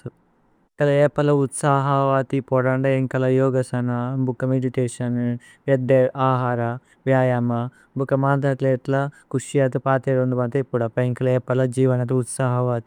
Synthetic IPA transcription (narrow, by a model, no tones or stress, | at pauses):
sɐ | ŋkɐlɐeːpɐlɐut̪saːɦɐʋaːt̪ipɔːɽɐɳɖeiŋkɐlɐjɔːɡɐsɐnɐbʱukɐmeɖiʈeːʂɐn | ʋjɐd̪eʔaːɦaːɾɐ | ʋjaːjɐmɐ | bʱukɐmaːnd̪ɐt̪leːʈ̪lɐkuʂjat̪upaːt̪eɾund̪ubɐnt̪ɐipːuɽɐpːɐiŋkɐlɐeːpɐlɐd͡ʒiːʋɐnɐt̪uut̪saːɦɐʋaːt̪i